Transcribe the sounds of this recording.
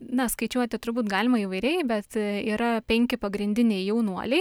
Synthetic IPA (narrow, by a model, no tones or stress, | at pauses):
nɐskɐɪt͡ʃʲuɔt̪ʲɪt̪ʊrbuːt̪ɡɑːlʲɪmɐiːʋɐɪɾʲɛɪbʲɛt̪iːɾɐpʲɛŋʲkʲɪpɐɡɾʲɪnʲd̪ʲɪnʲɛɪjɛʊnuɔlʲɛɪ